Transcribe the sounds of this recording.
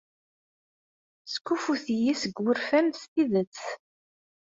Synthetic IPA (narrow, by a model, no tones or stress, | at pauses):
skːufuθjisəɡwəɾfæmst̪iðət͡sː